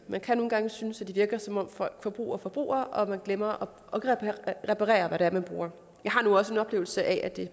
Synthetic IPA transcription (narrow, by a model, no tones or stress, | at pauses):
mænkʰæno̝ːn̩ɡ̥ɑ̈ŋəsynəsæd̥iʋiɐɡ̥ɐsɒ̽mɒ̽m̰fɒ̥fɒ̽b̥ʁṵːɐfɒ̽b̥ʁṵːɐʔɒ̽mænɡ̥lemɐʔɒ̽ | eɡ̥əʁepʰɑʁɛ̰ːɐʋæɾeæɐmænb̥ʁṵːɐ | jɑ̈ɪɦhɑ̈nuɒ̽səe̝nɒ̽b̥le̝ːʊl̩səʔɛʔæd̥e̝